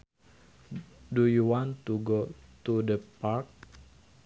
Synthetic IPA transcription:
dujuwant̪uɡot̪udəpak̚

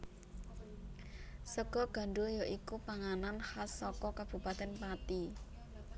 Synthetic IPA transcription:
səɡ̥ɔ̤ɡ̥a̤ɳɖujɔʔikupaŋananhasɔkɔkab̥ṳpat̪ɛnpat̪i

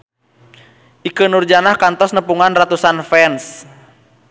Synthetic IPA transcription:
ʔikənurd͡ʒanahkant̪ɔsnəpuŋanrat̪usanfɛns

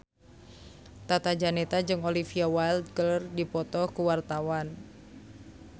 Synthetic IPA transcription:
t̪at̪ad͡ʒanɛt̪ad͡ʒɨŋolifiawald̪ɡəlrdipɔt̪ɔhkuwart̪awan

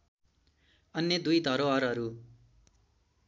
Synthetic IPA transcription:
ʌnːjʌd̪ujd̪ʱʌɾoʌɾʌɾu

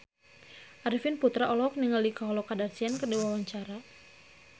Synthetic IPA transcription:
ʔaɾifinput̪ɾaʔɔlɔk̚niŋalikaɦɔlɔkadarsiankədəwawaɲt͡ʃaɾa

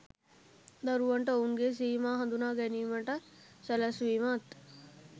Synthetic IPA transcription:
d̪ɐɾuʋəɳʈəunɡes̬iːmaːɦɐnd̪unaːɡɛniːməɳʈə | sɛlasʋiːmaːt̪

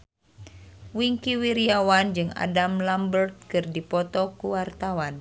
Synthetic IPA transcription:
wiŋkiwiɾiawand͡ʒɨŋa̰damlambərt̪̚kɨrdipɔt̪ɔkuwart̪awan

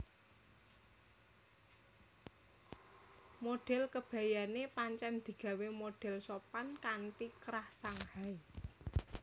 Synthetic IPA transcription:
moɖ̥ɛ̤lkəb̥ä̤janepaɲt͡ʃɛnd̪̥i̤ɡ̥a̤wemoɖ̥ɛ̤lsopankaɳʈikɾahsaŋhai

